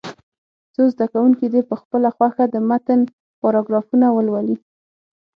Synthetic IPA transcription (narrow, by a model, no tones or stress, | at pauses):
t͡sozd̪akawuŋkid̪epəxpəlaxwaxad̪əmat̪ən | poɾɑɡɾɑfunawəlwali